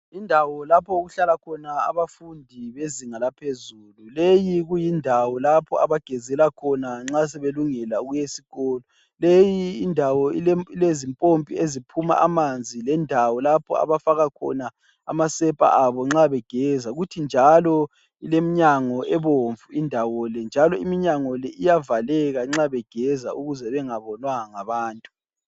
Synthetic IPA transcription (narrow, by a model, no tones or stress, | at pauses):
indʱawɔlapʰɔuɣuɬalakʰɔnaa̰βafundʱiβeziŋalapʰezululejiɣujindʱawɔlapʰɔa̰βaɡ̥ʱɛzɛlakʰɔnaŋ͡ǁas̬ɛβeluŋɛlauɣujesiɣɔːlɔ | lejiːndʱawɔililezimpʼompʼḭezipʰuma̰ʔamand͡zʱilɛndʱawɔlapʰɔ̰a̰βafaɣakʰɔ̰na | a̰masɛpʼa̰ʔaβɔŋ͡ǁaβɛɡ̥ʱɛzaɣutʰind͡ʒʱalɔ | ilem̩ɲaŋɔʔɛβoɱvuindʱawɔlɛnd͡ʒʱalɔimiɲaŋɔlɛʔijavalɛɣaŋ͡ǁaβɛɡ̥ʱɛzauɣuzɛβɛŋaβɔnwaaŋaβaːntʼu